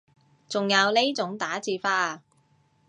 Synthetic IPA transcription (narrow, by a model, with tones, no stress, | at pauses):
t͡sʊ˨ŋjɐ˨˧wle˥t͡sʊ˨˥ŋt̪aː˨˥t͡siː˧faː˧